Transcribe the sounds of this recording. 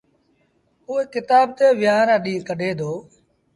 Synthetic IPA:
ʊːeːkɪt̪aːb̚t̪eːʋɪjaːɾãːɗĩːkəɖʱeːd̪ʱoː

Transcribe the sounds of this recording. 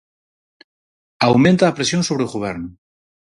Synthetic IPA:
awmẽnt̪aːpɾesjonso̞β̞ɾeuɣoβ̞eɾnu

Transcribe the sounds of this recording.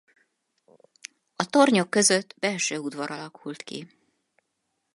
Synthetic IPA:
ɒt̪o̞rɲo̞kːø̞zø̞t̪ːbɛlʃøːud̪ʋɒɾɒlɒkʰult̪kḭ

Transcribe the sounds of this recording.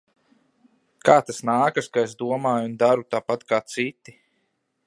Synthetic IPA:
kaːt̪asnaːkaskaesd̪uɔmaːjund̪aɾut̪aːpat̪kaːt̪sit̪ːi

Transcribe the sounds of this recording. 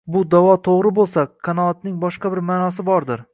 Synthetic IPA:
bʊd̪avɒt̪ʰoʁɾɪbolˠsakʰːanɒːt̪nɪŋbɒʃqɑbɪɾmaːnɒs̬ɪbɒɾd̪ɪɾ

